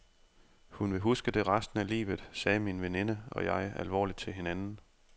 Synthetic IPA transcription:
hunʋe̝ɦusɡ̥əd̥e̝ʁɑsd̥n̩ælḭːʋð̩ˠsɛːminʋene̝nəɒ̽jɑ̈ɪʔælʋɒ̰ːlid̥̚t͡sʰe̝lɦe̝nænn̩

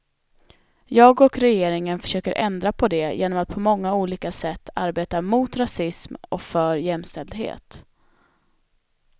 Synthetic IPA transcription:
jɑːɡɔkɾɛjeːɾɪŋənfœ̥ʂøːkəɾʔɛ̰nd̪ɾapʰɔd̪ɛjʔḛːnɔmat̪̚pʰɔmɔŋːauːliːkasɛt̪ːa̰ɾbeːt̪amʊːt̪ɾasɪsmɔ̰kfœɾjɛmst̪ɛld̪ɦḛːt̪

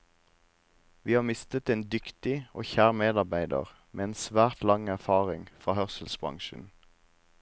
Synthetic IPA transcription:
ʋiːhɑːmɪst̪ət̪eːnd̪ʏkt̪ɪo̰ːçæːʁmeːd̪ɑʁbæɪd̪ə̰ʁ | meːeːnsʋæːʁt̪lɑŋæʁfɑːʁɪŋfʁɑːhœʁsəlsbʁɑ̰ŋʃən̩

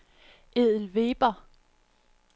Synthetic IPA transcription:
ʔeð̰ˠl̩ʋe̝ːb̥ɐ

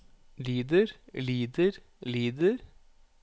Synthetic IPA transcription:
liːd̪əɾliːd̪əɾ | liːd̪əɾ

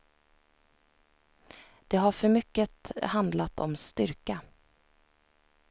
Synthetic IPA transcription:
d̪̥ɛɦaɾfœɾmʏkːət̪hand̪lat̪ɔ̰mst̪ʏɾka

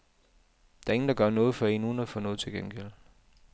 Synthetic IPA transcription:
d̥æɐe̝ŋn̩d̥ɑ̈ɡ̥ɶɐnɔ̽ːð̞̩ˠfɒ̽e̝nuːn̩æfɔ̽ːnɔ̽ːð̞̩ˠt͡sʰe̝lɡ̥enɡ̥el̰

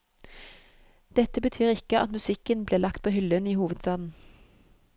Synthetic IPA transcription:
d̪̥ɛt̪əbət̪ʰyːʁɪkəʔɑ̰t̪mʉsɪkənbleːlɑkt̪̚pʰoːhʏləniːhuːʋəd̪st̪ɑːd̪n̩

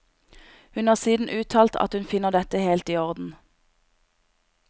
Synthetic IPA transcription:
hʉnhɑːʁsiːd̪n̩ʔʉːt̪ʰɑːlt̪ʰɑ̰t̪hʉnfɪnəʁd̪ɛt̪əheːlt̪iːɔʁd̪n̩

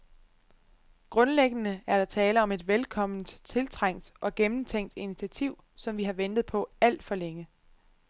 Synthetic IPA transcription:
ɡ̥ʁɔ̽nleɡ̥ənəæɐɾ̥ɑ̈t͡sʰɛːləɒ̽me̝d̥ʋelkʰɒ̽m̰n̩d̥t͡sʰe̝lt͡sʰʁaŋ̰d̥ʔɒ̽ɡ̥emn̩t͡sʰeŋ̰d̥init͡sʰiæt͡sʰiʊ̰ | sɒ̽mʋiɦɑ̈ʋen̰d̥ð̞̩ˠpʰɒ̽æl̰d̥fɒ̽leŋə

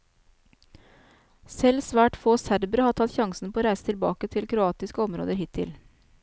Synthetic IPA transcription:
sɛlsʋæːʈfoːsæɾbɾəhɑːʈʰɑt̪çɑŋsn̩pʰoːɾæɪsət̪ʰɪlbɑ̰ːkət̪ʰɪlkʰɾʊɑːt̪ɪskəɔmɾo̰ːd̪əɾɦɪt̪ʰːɪ̰l

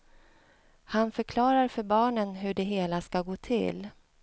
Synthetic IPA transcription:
hanfœɾkʰlɑːɾaɾfœɾbɑːɳənɦɵɖɛɦeːlaskaɡoːt̪ʰɪ̰l

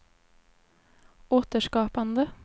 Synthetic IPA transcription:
oːt̪əʃkɑːpɑnd̪ə

